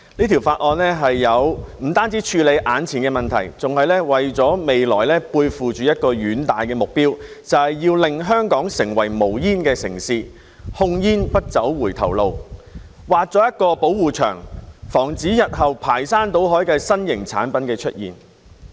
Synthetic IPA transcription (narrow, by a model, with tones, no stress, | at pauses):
niː˥t̪ʰi˨˩wfaː˧t̚ʔɔː˨˧nlɛː˥ɦɐ˨jːɐ˨˧wm̩˨˩t̪aː˥nt͡siː˨˥t͡ʃʰyː˧le˨˧jʔaː˨˥nt͡sʰiː˨˩nkɛː˧mɐ˨˩nt̪ʰɐ̰˨˩jt͡sʊ˨ŋhɐ˨jlɛː˥wɐ˨jt͡sɔː˨˥me˨jlɔ̰ː˨˩jlɛː˥puː˧jfuː˨t͡ʃyː˨jɐ˥t̚kɔː˧ɥyː˨˥nt̪aː˨jkɛː˧mʊ˨k̚piː˥w | t͡sɐ˨whɐ˨jjiː˧wlɪ˨ŋɦœː˥ŋkɔː˨˥ŋsɪ˨˩ŋwɐ˨˩jmo˨˩wjiː˥nkɛː˧sɪ̰˨˩ŋsiː˧ | hʊ˧˥ŋjiː˥npɐ˥t̚t͡sɐ˨˥wːuː˨˩jt̪ʰɐ̰˨˩wlo˨w | waː˨t̚t͡sɔː˨˧˥jɐ˥t̚kɔː˧po˨˥wuː˨t͡ʃʰœ̰ː˨˩ŋfɔː˨˩ŋt͡siː˨˥jɐ˨t̚hɐ˨wpʰaː˨˩jsaː˥nt̪o˨˥wɦɔː˨˥jkɛː˧sɐ˥njɪ˨˩ŋt͡sʰa̰ː˨˥npɐ˨˥nkɛː˧t͡ʃʰɵ̰˥t̚jḭː˨˩n